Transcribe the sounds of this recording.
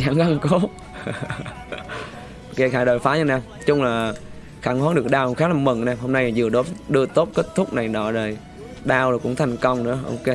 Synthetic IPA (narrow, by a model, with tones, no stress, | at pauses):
zaː˧˦ŋɣa˧ŋko˨˦˥ | ke˧˩xaː˧˩jɗoː˨˩jfaː˨˦ɲɨ˧naː˧m | t͡ɕʊ˧ŋ͡mlaː˨˩ | xaː˧˩nhaː˨˦˥ŋɗɨ˨˩ək̚ɗaː˧wŋ͡mxaː˦˥laː˨˩mə˨˩ŋnaː˧˩mho˧mna˧jzɨ˨˩əɗo˨˦ɗɨ˧ət̪o˦˥t̚ke˦˥t̚t̪ʰʊ˦˥k͡p̚na˨˩jnɔ̰˧˨lə˨˩j | ɗaː˧wlːkʊ̰˧˥ŋ͡mt̪ʰa˨˩jŋ̟kə˧wŋ͡mnɨ̰˧˥əʔo̰˧˩ke˧